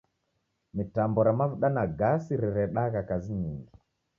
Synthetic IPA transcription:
mitambɔɾamavuɗanaɡasiɾiɾɛɗaɣakaziɲiŋɡi

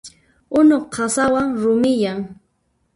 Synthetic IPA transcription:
ʊnoχqʰɑsawaŋɾʊmɪjaŋ

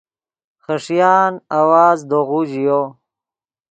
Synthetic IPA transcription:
χəʂjaːnawaːzd̪oɣuʑijo

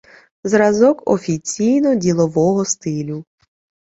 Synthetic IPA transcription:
zɾɐzɔkɔ̰fʲit͡sʲijnɔdʲilˠɔʋɔɦɔst̪ɪlʲu

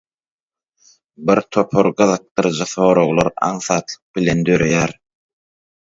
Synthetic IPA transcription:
biɾt̪ʰo̞pʰoɾɢɯðɯq̚t̪ɯɾd͡ʒɯθo̞ːɾoɣlˠɑɾɑ̰ɴθɑːt̪lˠɯq̚bilend̪øɾejæɾ

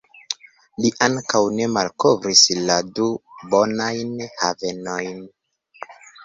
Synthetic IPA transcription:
liʔaŋkawne̞malkovɾisladubo̞najnhave̞no̞jn

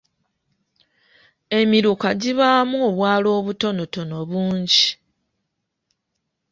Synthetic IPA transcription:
e̞miɾukaɟiβaːmoːβwaːlo̞ːβuto̞no̞to̞no̞βuːɲɟi

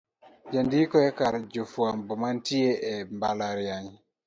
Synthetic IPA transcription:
d͡ʒandikɔɛkaɾd͡ʒofwambɔmantieʔɛmbalaɾjaɲ

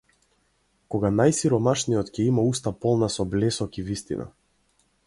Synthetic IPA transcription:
kɔɡanajsiɾɔmaʃnijɔt̪cʲɛimaust̪apɔlˠnasɔblɛsɔkivist̪ḭna̰

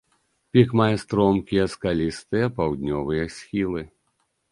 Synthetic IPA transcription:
pʲikmajɛst̪ɾɔmkʲijɐskalʲist̪ɨjɐpawd̪ʲnʲɔvɨjɐsʲxʲilˠɨ

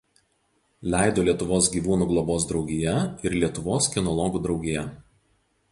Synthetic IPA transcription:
lʲæˑɪd̪oːlʲiɛt̪ʊʋoːsɡʲiːʋuːnuːɡlˠɔboːsd̪ɾɒʊɡʲɪjɛɪɾlʲiɛt̪ʊʋoːskʲɪnɔlˠɔːɡuːd̪ɾɒʊɡʲejɛ

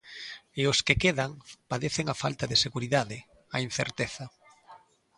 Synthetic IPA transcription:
eoskekeðaŋpaðeθeŋafalt̪aðeseɣuɾiðaðɪ | ain̟θeɾt̪eθɐ

